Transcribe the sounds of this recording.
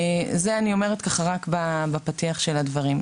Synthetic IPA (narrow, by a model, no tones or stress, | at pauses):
zeanio̞me̞ʁetkaχaʁakbabapatiaχʃeladvaʁim